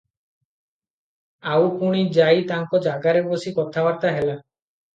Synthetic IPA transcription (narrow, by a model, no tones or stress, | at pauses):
awpuɽ̃id͡ʒajt̪aŋkɔd͡ʒaɡaɾebosikɔt̪ʰabaɾt̪aɦela